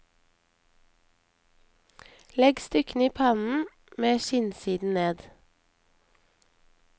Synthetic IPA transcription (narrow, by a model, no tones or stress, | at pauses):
lɛɡst̪ʏkn̩iːpʰɑnn̩ | meːʃɪnsiːd̪n̩neːd̪